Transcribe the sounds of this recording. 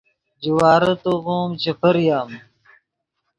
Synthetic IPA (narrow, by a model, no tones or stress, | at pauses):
d͡ʑiwaːɾɐt̪oɣoːmt͡ɕepʰɐɾjaːm